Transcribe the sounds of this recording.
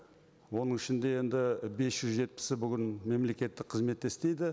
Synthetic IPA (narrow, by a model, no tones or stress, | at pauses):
wo̞nəɴɪʃɪnd̪e̞je̞nd̪ɪbe̞sʒ̥ʏzʒe̞t̪̚pɪ̥sɪbʏɡʲɪnme̞mle̞kʲe̞t̪ːɪk̚qʰəzme̞t̪ːe̞st̪e̞jd̪ɪ